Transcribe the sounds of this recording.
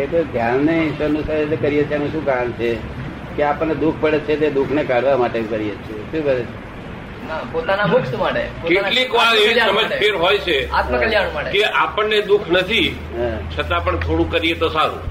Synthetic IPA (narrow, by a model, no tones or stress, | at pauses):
et̪od̪ʱjanːeɪʃʋənːũsət̪ekəɾijet͡ʃʰeenũʃũkaənt͡ʃʰe | keapəɳned̪ukʰpəɽet̪t͡ʃʰet̪̬ed̪ukʰnekaɽ̤ʋamaʈekəɾijet͡ʃʰeʃũbəɾet͡ʃʰe | napot̪anamʊkt̪maʈḛpokeaʈlikoeʋiasəməd͡ʒʰeɾɦojt͡ʃʰeat̪məkəljaɽ̃ũmaʈekeʔapəɳːed̪ukʰnət̪ʰi | at͡ʃʰət̪ãpəɳt̪ʰoɽũkəɾijet̪osaɾṵ̃